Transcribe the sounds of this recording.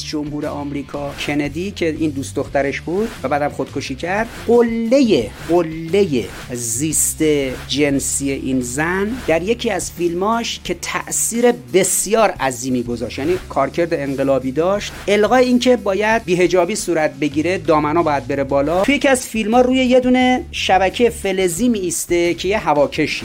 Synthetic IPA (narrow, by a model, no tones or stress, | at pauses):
sd͡ʒo̞mhuːɾḛʔɒːmɾiːkʰɒːkʰe̞ned̪icʰe̞ʔind̪uːst̪d̪o̞xt̪æɾe̞ʃbuːd̪̥væbæːd̪æmxo̞d̪̥̚kʰo̞ʃiːcʰæɾd̪̥ɢolːe̞jeɢolːe̞je | ziːst̪ed͡ʒe̞nsiːje̞ʔiːnzænd̪æɾje̞cʰiːæzfilmɒːʃcʰe̞t̪ʰæ̰ʔsiːɾe̞be̞sjɒːɾʔæziːmiːɡo̞zɒːʃt̪jæːniːkʰɒːɾcʰe̞ɾd̪eeŋɢelɒːbiːd̪ɒːʃt̪e̞lɣɒːeiːncʰe̞bɒːjæd̪̚biːɦe̞d͡ʒɒːbiːsuːɾæt̪̚ʰbe̞ɟiːɾe̞d̪ɒːmænɒːbɒːjæd̪̚be̞ɾebɒːlɒːujecʰʲiæzfilmɒːɾuːje̞je̞d̪uːne̞ʃæbæcʰejefe̞leziːmiist̪ecʰe̞jeɦævɒːcʰe̞ʃi